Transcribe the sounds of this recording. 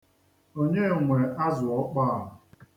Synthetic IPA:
o˦ɲe˦˨ŋʷe˨ʔa˦zʊ˨ɔ˦k͡pa˦a˨ɦʊ˨

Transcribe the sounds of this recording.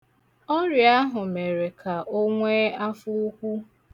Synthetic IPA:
ɔ˦ɾja˦ɦʊ˨me˨ɾe˨kʰa˨ʔo˦ŋʷe˦a˦fʊ˦u˦kʷu˦

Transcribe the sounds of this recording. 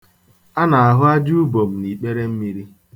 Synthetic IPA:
a˦na˨a˨ɦʊ˦a˦d͡ʒu˦bo˨m̩˨ni˨k͡pe˦ɾe˦m̩˦mi˦ɾi˦

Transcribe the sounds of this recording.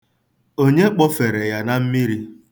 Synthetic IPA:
o˦ɲe˦k͡pɔ˦fe˨ɾe˨ja˦na˦m̩˦mi˦ɾi˦

